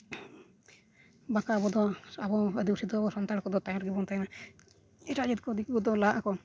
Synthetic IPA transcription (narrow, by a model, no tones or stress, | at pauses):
bakabɔd̪ɔabɔəd̪iusid̪ɔabɔsɔnt̪aɽkɔd̪ɔt̪ajɔɾɡibɔnt̪ajna | ɛʈad͡ʒit̪̚kɔd̪ikɔd̪ɔlaʔakɔ